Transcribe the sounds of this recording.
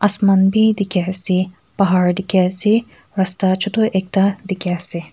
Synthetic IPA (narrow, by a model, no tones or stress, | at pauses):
ʔɐsmɐnbid̪ikʲaːsi | pɐɦaːɾd̪ikʲaːsi | ɾɐst̪at͡ʃʰut̪uʔek̚t̪ad̪ikʲaːsi